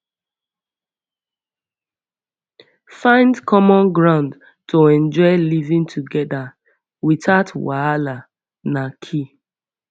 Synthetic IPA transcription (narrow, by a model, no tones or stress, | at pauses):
fãɪ̃ndkʰɔmɔ̃nɡɹãʊ̃nd | toɛ̃nd͡ʒɔɪlivĩntʰuɡɛda | witatwaala | nakʰi